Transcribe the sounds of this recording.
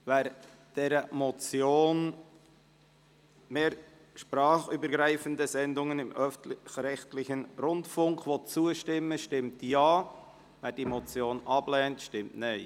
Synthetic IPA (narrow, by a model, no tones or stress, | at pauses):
væːɾ | d̥ɛːɾəmɔt͡sjoːn | meːɾ | ʃpɾɑːχybəɾɡɾæɪfəndəzɛndʊŋənɪmʔœfxɾɛxtlɪçənɾʊndfʊŋkʋɔt̚t͡suəʃtɪmːəʃtɪmtjɑː | væːɾd̥iːmɔt͡sjoːnɑb̥lɛːntʃtɪmtneɪ